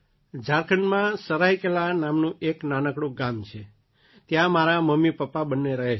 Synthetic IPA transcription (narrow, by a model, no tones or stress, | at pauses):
d͡ʒaɾkʰənmãsəɾaikelanamnũʔeknanəkɽõɡamt͡ʃʰe | t̪jãmaɾaməmːipəpːabənːeɾəɦe